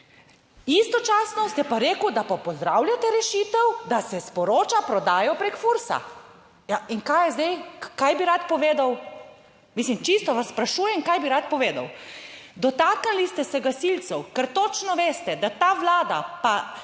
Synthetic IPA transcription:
ist̪ɔt͡ʃaːsnɔst̪ɛpaɾeːkud̪apɔpɔzd̪ɾaːwljat̪ɛɾɛʃit̪ɛwd̪asɛspɔɾoːt͡ʃapɾɔd̪aːjɔpɾekfuɾsa̰ | jaiŋkaːjɛzd̪ɛjkajbiɾat̪pɔʋeːd̪aw | mislimt͡ʃist̪ɔʋasːpɾaʃuːjɛŋkajbiɾat̪̚pɔʋeːd̪a̰wd̪ɔt̪aknilist̪ɛsɛɡasilt̪sɛwkɛɾt̪oːt͡ʃnɔʋeːst̪ɛd̪at̪aːʋlaːd̪a̰pa

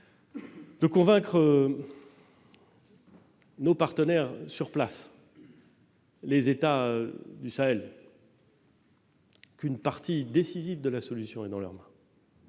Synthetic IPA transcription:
d̪̥əkɔ̃vɛ̃kχə | nopaʁt̪ənɛʁsyʁplas | lezet̪ad̪ysaɛl | kynpaʁt̪id̪esizivd̪əlasɔlysjɔ̃ɛd̪ɑ̃lœ̰ʁmɛ̃

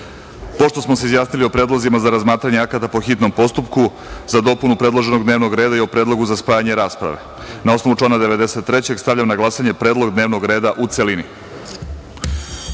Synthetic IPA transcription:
po̞ʃt̪o̞smo̞s̬eizjaːsnilio̞pɾe̞ːd̪lˠozimazaɾazmaːt̪ɾaɲeakat̪apo̞xit̪no̞mpo̞st̪upku | zad̪o̞punupɾe̞d̪lˠo̞ʒe̞noɡd̪ne̞ːʋno̞ɡɾeːd̪aio̞pɾe̞ːd̪lo̞ɡuzaspaːjaɲeɾaːspɾa̰ʋe̞̰ | nao̞sno̞ʋut͡ʂlanad̪e̞ʋe̞d̪eset̪ːɾe̞t͡ɕe̞ɡst̪avʎamnaɡlˠasaɲe̞pɾeːd̪lˠo̞ɡd̪ne̞ːʋno̞ɡɾe̞ːd̪aʔut̪selinḭ

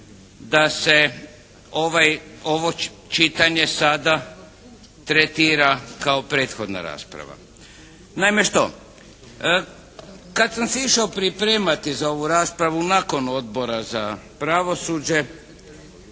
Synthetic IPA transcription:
d̪ase | oʋajo̞ʋo̞ | t͡ʃit̪aɲe̞sad̪a | t̪ɾet̪iːɾakaopɾe̞ːt̪xo̞d̪na̰ɾa̰ːspɾa̰ʋa̰ | najmeʃt̪o̞̰ | kad̪samseiʃaopɾipɾeːmat̪izao̞ʋuɾaːspɾaʋunako̞no̞d̪̚bo̞ɾazapɾaʋo̞sud͡ʑe̞

